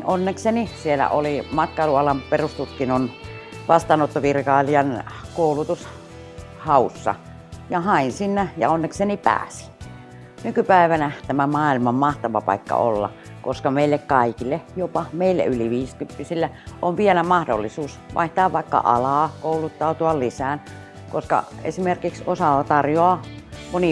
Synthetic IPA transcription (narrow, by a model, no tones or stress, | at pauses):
ʔonːeksenisielæ̰ʔolimɑt̪̚kɑiluɑlɑmperust̪ut̪kinon | ʋɑst̪ɑːnot̪ːoʋirkɑːliɑnkoulut̪us | hɑusːɑ̰ | jɑhɑinsinːæjɑ̰onːeksenipæ̰ːsi̥ | nykypæiʋænæt̪æmæmɑːilmɑmmɑht̪ɑʋɑ̰pɑ̰ikːɑ̰o̰lːɑ̰ | ko̰skɑmeilːekkɑikilːejopɑmeilːæ̰yliʋiːskympːisilːæʔoʋʋielæmɑhdo̰lːisuːsʋɑ̰ˑiht̪ɑːʋʋɑikːɑ̰ʔɑ̰lɑːkoulut̪ːɑut̪uɑllisæːn | koskɑ̰ḛsimerkiksosɑt̪ɑrjoɑmoni